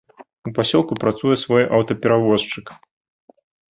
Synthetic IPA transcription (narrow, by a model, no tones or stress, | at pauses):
upasʲɔlˠkupɾat̪sujɛsvɔjʔawt̪ɐpʲɛɾavɔst͡ʂɨk